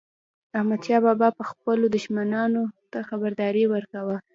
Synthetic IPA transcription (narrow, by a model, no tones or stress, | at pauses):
ahmad̪ʃɑbɑbɑpəxpəlod̪ʊʒmanɑnot̪axabaɾd̪ɑɾiwəɾkawa